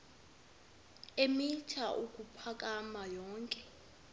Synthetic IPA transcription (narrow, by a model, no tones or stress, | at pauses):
emitʰaʔuk̬ʼupʰak̬ʼamajɔːŋkʼɛ